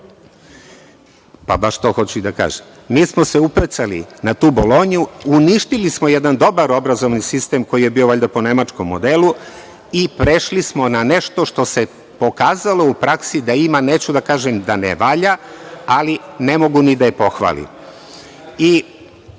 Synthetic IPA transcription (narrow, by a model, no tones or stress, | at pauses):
pa̰baʃt̪o̞ːxo̞t͡ɕuid̪aka̰ːʒem | miːsmo̞seuplet̪salḭnat̪uːbolˠo̞ːɲuuniʃt̪ilismo̞je̞d̪and̪o̞baɾo̞bɾazo̞ʋnisist̪emko̞jije̞bio̞ʋoʎʲd̪apo̞ne̞mat͡ʃkomːod̪elˠu | ipɾeʃlismo̞nane̞ʃt̪o̞ʃt̪o̞se̞ | po̞kaːzalo̞upɾaksid̪aimaneːt͡ɕud̪akaːʒemd̪anḛʋaːʎaaline̞mo̞ɡunid̪ajepo̞xʋa̰ːlḭm | i